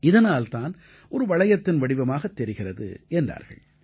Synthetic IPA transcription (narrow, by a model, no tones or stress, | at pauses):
ɪðɐnaːlt̪aːn | ʔɔɾɯʋɐɻɐjɐt̪ːɪnʋɐɽɪʋɐmaːɣɐt̪ːɛɾɪɣɪrɐðɯ̰ʔɛndra̰ːɾɣɐ̰ɭ